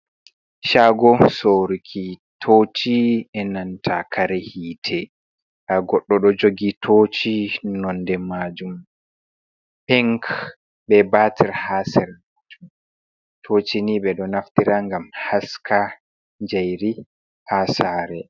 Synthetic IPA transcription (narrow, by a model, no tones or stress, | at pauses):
ʃaɡɔsoɾikʰitʰoːt͡ʃiɛnantʰakʰaɾɛhiːtʰɛ | kaɡɔɗːɔɗɔd͡ʒoɡitʰot͡ʃinɔndɛmad͡ʒum | pɛŋk | ɓɛbatʰiɾhasɛɾmad͡ʒum | tʰoːt͡ʃiniɓɛɗɔnaftiɾaŋɡamhaskʰa | ɲd͡ʒajɾi | haːsaːɾɛ